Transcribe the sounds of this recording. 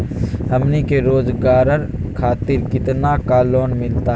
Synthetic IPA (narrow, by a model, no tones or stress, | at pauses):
ɦəmnikeɾoːd͡ʒɡaːɾəɾkʰaːt̪ɪɾkɪt̪nakaːloːnmɪlt̪a